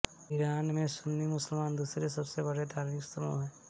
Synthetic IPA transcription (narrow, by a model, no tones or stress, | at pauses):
ɪɾaːnmẽsʊnːimʊsəlmaːnd̪uːsɾesɐbsebɐɽet̪aːɾmiksəmõ̰ɦɛ̃ː